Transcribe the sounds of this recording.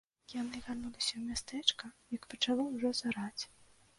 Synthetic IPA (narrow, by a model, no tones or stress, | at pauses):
janɨvʲarnulˠɐsʲɐwmʲast̪ɛkɐjɐkpɐt͡ʂalˠɔwʐɔzaɾat͡sʲ